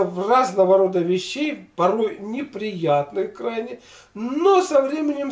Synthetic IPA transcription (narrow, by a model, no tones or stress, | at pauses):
vraznəvəɾo̞d̪əvʲɪɕːejpɐɾo̞jnʲɪpɾʲɪjat̪nɨxkrajnʲɪ | nosɐvɾʲemʲɪnʲɪm